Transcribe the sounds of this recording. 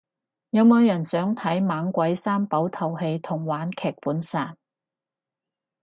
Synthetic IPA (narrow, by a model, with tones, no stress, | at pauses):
jɐ˨˧wmoː˨˧wjɐ˨˩nsœː˨˥ŋt̪ʰɐ˨˥jmaː˨˧˥ŋkʷɐ˨˥jsaː˥npɐ˨˥wt̪ʰɐ˨˩whe˧jt̪ʰʊ˨˩ŋwaː˨˥nkʰɛː˨k̚puː˨˥nsaː˨˩n